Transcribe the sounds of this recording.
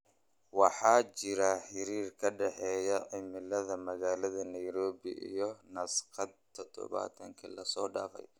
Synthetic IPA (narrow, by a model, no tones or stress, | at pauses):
wɑħɑːt͡ʃɪɾɐħɪɾiːrkʰɐɖɛħɛːjɐʕɪmɪlɐðɐmɐɣaːlɐðɐnɐjɾɔːβɪ̰ʔḭjɔnɐsqɑd̪̚t̪ʰɔd̪ɔ̰βa̰ːt̪ʰɐŋkʰɐlɐsɔːɖa̰ːfɛ̰j